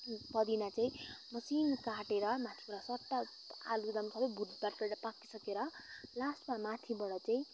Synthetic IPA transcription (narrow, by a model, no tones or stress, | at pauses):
pʌd̪inat͡saĩmʌsinkaʈeɾʌmat̪ʰibʌɽʌsʌʈːa | a̰lud̪ʌmsʰʌbʌjbʱud̪paʈkʌɾapakisʌkeɾʌlasʈmamat̪ʰibʌɽʌt͡saĩ